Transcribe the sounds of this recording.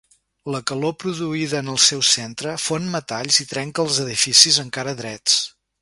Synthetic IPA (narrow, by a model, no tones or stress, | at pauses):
ləkəlopɾuðuiðəːnəlˠsɛwsent̪ɾəfonmət̪aʎzit̪ɾɛŋkəlˠzəðifisizəŋkaɾəðɾɛt͡s